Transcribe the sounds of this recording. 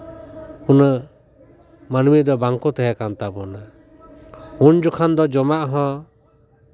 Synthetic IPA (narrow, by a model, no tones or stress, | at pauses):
unə | manmid̪ɔbaŋkɔt̪ɛɦɛkant̪abɔna | und͡ʒukʰand̪ɔd͡ʒɔmaʔɦɔ̃